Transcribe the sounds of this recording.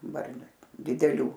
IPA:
ˈbɐrʲnʲʊ dʲɪdʲɛˈlʲuː

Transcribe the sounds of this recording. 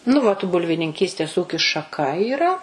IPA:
nʊ ʋɐt bʊlʲʋʲɪnʲɪŋʲˈkʲiːsʲtʲeːs ˈuːkʲɪs ʃɐˈkɐ iːˈrɐ

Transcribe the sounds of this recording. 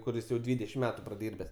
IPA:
kʊˈrʲɪs jɛʊ ˈdʲʋʲiːdʲɛʃʲɪm ˈmʲæːtʊ prɐˈdʲiːrʲbʲɛs

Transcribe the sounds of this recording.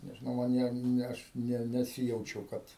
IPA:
nʲɛʒʲɪˈnɐʊ mɐn ˈjiɛ nʲɛ ˈɐʃ ˈnʲɛ nʲɛˈsʲɪjɛʊt͡ʃʲɛʊ ˈkɐt

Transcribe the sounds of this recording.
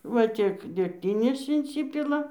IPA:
ʋɐ ˈtʲiɛk dʲɛkˈtʲɪnʲeːs ɪnʲˈsʲɪpʲɪlˠɐ

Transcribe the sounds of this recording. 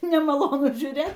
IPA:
nʲɛmɐˈlˠoːnʊ ʒʲuːˈrʲeːt

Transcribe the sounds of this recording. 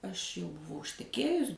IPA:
ɐʃ jɛʊ bʊˈʋɐʊ ɪʃʲtʲɛˈkʲeːjʊs

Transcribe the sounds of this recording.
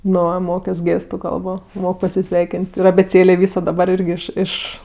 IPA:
ˈnʊ ˈmoːkʲoːs ˈɡʲeːstʊ ˈkɐlˠboː ˈmoːk pɐsʲɪˈsʲʋʲɛɪkʲɪnʲtʲ ɪr ɐbʲeːˈt͡sʲeːlʲeː ˈʋʲiːsoː dɐˈbɐr ˈɪrʲɡʲɪ ˈɪʃ ˈɪʃ

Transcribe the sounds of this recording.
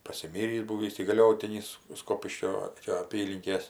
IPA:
pɐsʲɪˈmʲiːrʲiːs ˈbuːʋʲiːs iːɡɐˈlʲoːtʲɪnʲɪs ˈskoːpʲɪʃʲkʲoː ˈt͡ʃʲɛ ɐˈpʲiːlʲɪŋʲkʲeːs

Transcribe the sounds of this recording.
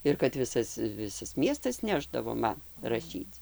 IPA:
ɪr kɐt ˈʋʲɪsɐs ˈʋʲɪsɐs ˈmʲiɛstɐs ˈnʲæːʒdɐʋoː ˈmɐn rɐˈʃʲiːt͡s

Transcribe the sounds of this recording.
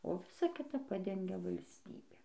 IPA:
oː ˈʋʲɪsɐ ˈkʲɪtɐ ˈpɑːdʲɛŋʲɡʲɛ ʋɐlʲsʲˈtʲiːbʲeː

